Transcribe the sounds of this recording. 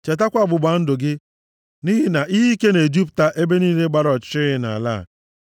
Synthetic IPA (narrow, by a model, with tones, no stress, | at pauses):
t͡ʃe˨t̬a˦kʷa˨bʊ˨ɡ͡ba˨˦n̩˦dʊ˨ɡɪ˦ | ni˦ɦɪ˦na˨ʔi˦ɦi˦ke˦ne˨d͡ʒi˦pta˨ʔe˦be˦niː˦le˦ɡ͡ba˦ɾɔ˨t͡ʃɪ˦na˨la̰˦˨